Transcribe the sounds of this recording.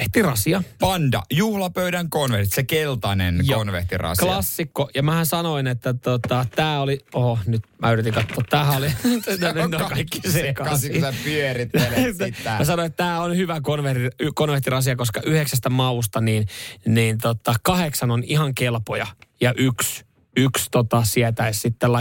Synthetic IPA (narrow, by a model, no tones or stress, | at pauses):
eht̪irɑsiɑpɑndɑ̰juhlɑpøyɾæŋkonʋerit̪sekelt̪ɑnḛnjonʋḛht̪ḭrɑ̰sklɑsːikːojɑmæhæsɑnoinet̪ːæt̪ot̪ɑt̪æːolioonyt̪mʔæyrˑit̪iŋkɑt̪ːoːt̪t̪æːhæolinnːokːɑskɑisepyørit̪ːelæmæsɑnoiet̪t̪æːonhyʋækonʋet̪ikonʋeht̪irɑs̬iɑkoskɑʔyheksæst̪æmɑust̪ɑniːnniːnt̪ot̪ːɑkɑheksɑnonihɑŋkelpojɑjɑʔyks | ykst̪ot̪ɑsiɛt̪æessit̪ːelɑ